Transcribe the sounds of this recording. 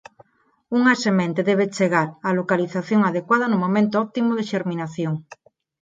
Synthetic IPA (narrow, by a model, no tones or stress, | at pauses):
uŋasemẽnt̪eðeβ̞et͡ʃeɣaɾalokaliθaθjoŋaðekwað̞anumõmẽnt̪oɔp̚t̪imoðeʃeɾmĩnaθjoŋ